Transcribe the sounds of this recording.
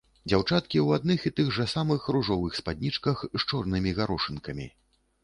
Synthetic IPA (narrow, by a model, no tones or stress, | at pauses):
d͡zʲawt͡ʂat̪kʲiwad̪̚nɨxit̪ɨɣʐɐsamɨxɾuʐɔvɨxspad̪ʲnʲit͡ʂkɐxʃt͡ʂɔrnɨmʲiɣaɾɔʂɨnkɐmʲḭ